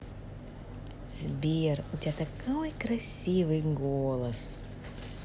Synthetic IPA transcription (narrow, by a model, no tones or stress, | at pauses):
z̥ʲbʲiːɾʊt̪ʲɛt̪ɐkɐwjkɾɐsʲiːʋɨɪɡoːlˠɐs